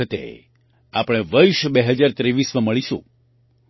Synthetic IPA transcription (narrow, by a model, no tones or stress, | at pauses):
ət̪ḛ | apəɽ̃eʋəɾʃbeɦəd͡ʒaɾt̪ɾeʋismə̃məɭiʃṵ̃